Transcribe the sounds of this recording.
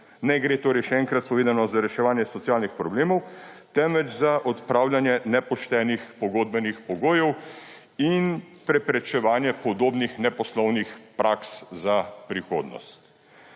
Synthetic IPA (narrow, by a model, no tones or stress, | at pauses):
nɛɡɾet̪oːɾɛjʃɛɛːŋkɾat̪̚pɔʋeːd̪anɔzaɾɛʃɛʋaːnjɛsɔt̪sijaːlnixpɾɔbleːmɔwt̪ɛmʋɛt͡ʃzaʔɔt̪pɾaːwljanjɛnɛpɔʃt̪ɛːnixpɔɡoːd̪̚bɛnixpɔɡoːjɛw | in | pɾɛpɾɛt͡ʃɛʋaːnjɛpɔd̪oːbnixnɛpɔslɔwnixpɾaːkszapɾixoːd̪nɔ̰st̪